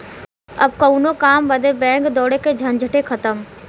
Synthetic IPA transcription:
ɐ̰bkɐunokaːmbəd̪ebɛ̃ːŋkd̪ɔːɽeked͡ʒʱɐnd͡ʒʱəʈekʰɐt̪əm

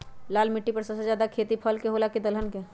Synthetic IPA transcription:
laːlmɪʈːipɐɾsɐsed͡ʒjaːd̪akʰeːt̪ipʰəlkeɦoːlaked̪əlɦənke

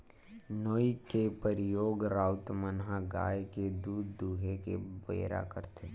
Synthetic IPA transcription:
noːikepəɾɪjoːɡɾaːʊt̪mənɦaɡa̰ːjked̪uːd̪ːuːɦekebḛːɾa̰kəɾt̪e

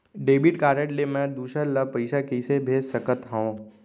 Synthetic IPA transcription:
ɖeːbɪʈkaːɾəʈlemɛ̃d̪uːʃəɾləpɐɪʃakisebʱeːsəkət̪ɦõ

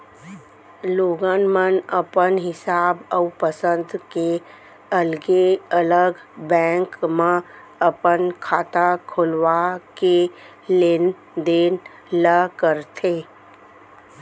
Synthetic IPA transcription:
loːɡanmənəpənɦɪsaːbəwpəsə̃nd̪ke | əlɡeələɡbɛ̃ːŋkmã | əpənkʰaːt̪akʰʊlʋake | len | d̪eːn | ləkəɾt̪ʰeː

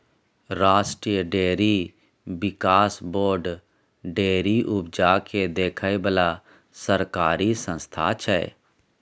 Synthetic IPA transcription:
ɾaːsʈɾiːjəɖeːɾi | bɪkaːsboːɾɖ | ɖeːɾiʔʊbd͡ʒakʰed̪eːkʰəjbəla | səɾkaːɾisə̃nst̪ʰa̰t͡ʃʰɛ̰ː

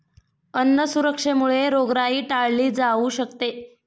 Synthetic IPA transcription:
ənːəsuɾəkʂemuɭeɾoɡɾaiːʈaɭliːd͡zauɕəkt̪e

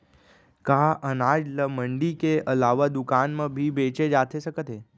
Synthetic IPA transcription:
kaʔənad͡ʒləməɳɖikeʔəlaʋad̪ukanmãbʱibet͡ʃed͡ʒat̪ʰeʃəkət̪ʰe

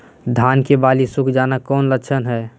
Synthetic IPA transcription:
d̪ʱaːnkebaːlisʊkʰd͡ʒaːnakɔːnlət͡ʃʰənɦɛː

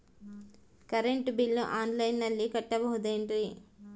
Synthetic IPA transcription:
kɐɾeɳʈbilːuʔaːnlɐjnːɐlːikɐʈːɐbɐɦud̪eːɳʈi

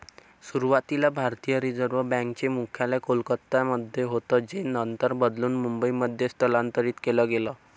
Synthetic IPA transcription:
suɾuʋat̪ilabʱaɾt̪ijəɾid͡zəɾʋəbɛ̃ŋkt͡ɕemukʰjalakolkət̪ːaməd̪ʱːjeɦot̪ɔd͡ʑenənt̪əɾbəd̪luːnmumbəiməd̪ʱːjest̪ʰəlãnt̪əɾiːt̪kelɔɡelɔ

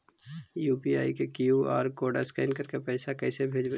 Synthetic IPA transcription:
juːpiaːikekɪjua̰ːɾkoːɖa̰skaɪːnkəɾkepɛːɪsakɛːsebʱeːd͡ʒʋe

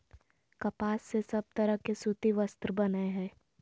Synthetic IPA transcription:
kɐpaːsːesɐb̚t̪ɐɾəɦkesut̪iʋəst̪ɾəbɐnaɦɛ̃ː

